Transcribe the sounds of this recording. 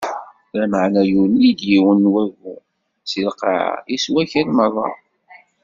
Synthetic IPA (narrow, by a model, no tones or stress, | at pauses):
æməʕnæjunid̪jiwənwævu | silqɑ̰ʕa̰iswæçəɾməðˤɑ̰ˤ